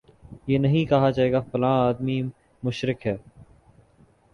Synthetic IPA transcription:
jeːnɐɦĩkɐɦad͡ʒaːeːɡafɐlãːaːd̪mi | mʊʃɾɪkɦɛː

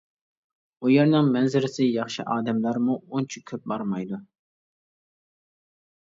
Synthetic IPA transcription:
ujeɾnɪŋmɛnzɪɾɪsɪjɑχʃiʔɑːd̪ɛmlæɾmuont͡ʃʰikʲʰøp̚bɑɾmɑjd̪u

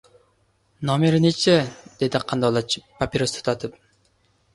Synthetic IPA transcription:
nomeɾnet͡ʃʰɛd̪̥ed̪iqʰɑnd̪ɑlˠɑt͡ʃʰpapʲiɾost̪ʰu̥t̪ɑt̪ʰɨp̚

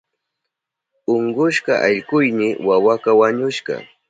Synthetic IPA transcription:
ʊɴɢʊʃɢɑʔaʎɢʊjmɪwawakawaɲʊʃɢɑ̰

